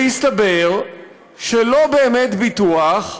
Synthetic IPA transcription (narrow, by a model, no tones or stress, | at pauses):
ist̪abe̞ʁ | ʃelo̞beːmet̪bit̪uaχ